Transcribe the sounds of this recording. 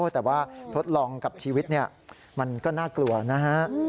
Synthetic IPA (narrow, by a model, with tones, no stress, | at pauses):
t̪ɛː˨˩waː˥˩t̪ʰo˦˥t̪̚lɔː˧ŋka˨˩p̚t͡ɕʰiː˧wi˦˥t̪̚ni˥˩ɐ | ma˧nkɔː˥˩naː˥˩klu˧ɐna˦˥ɦa˦˥ʔ